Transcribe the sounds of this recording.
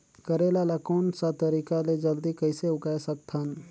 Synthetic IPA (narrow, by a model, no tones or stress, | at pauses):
kəɾeːlalakoːnsat̪əɾiːkaled͡ʒəld̪ikəɪseʊkajsək̚t̪ʰən